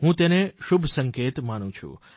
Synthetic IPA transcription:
ɦũt̪eneʃubʱsəŋket̪manũt͡ʃʰṵ̃

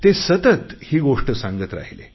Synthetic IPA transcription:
t̪esət̪ət̪hiːɡoʂʈəsãŋɡət̪ɾa̰ɦilḛ

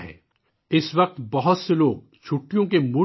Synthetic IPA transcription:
ɦɛ̰ː | ɪsʋɐq̚t̪bɐɦʊt̪seloːɡ̚ | t͡ʃʰuʈːijõkemu

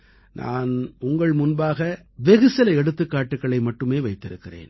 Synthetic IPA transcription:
nʔa̰ːnʊŋɡɐɭmʊnbaːɣɐ | ʋɛɣɯsɪlɐɛɽɯt̪ːɯkːaːʈːɯkːɐɭɐɪmɐʈːɯmeːʋɐɪt̪ːɪɾɯkːɪrḛːn

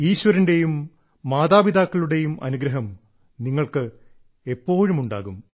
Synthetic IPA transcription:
iːɕʋɐɾinde̞jumː | aːðaːbiðaːkːɐɭuɽe̞jumʔɐ̰nuɡɾɐɦɐm | niŋːɐɭkɨ | e̞pːo̞ːɻumuɳɖa̰ːɣum

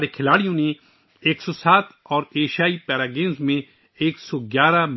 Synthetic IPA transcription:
ɾekʰɪlaːɽijõnẽ | eːksɔsaːt̪ | ɔːɾeːʃaːipɛːɾaːɡẽːnzmẽ | eːksɔɡjaːɾam

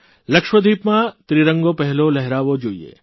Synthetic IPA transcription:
lɐkʃwəd̪ʱiːpmãt̪ɾiɾə̃ŋɡopɛɦlolɛɦɾaːʋod͡ʒoːiḛː

